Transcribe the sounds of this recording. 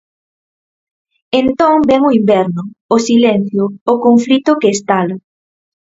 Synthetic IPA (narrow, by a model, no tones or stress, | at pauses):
ent̪oŋbɛŋoimbɛɾnʊosilen̟θjʊːkoɱfɾit̪ʊkeːst̪ala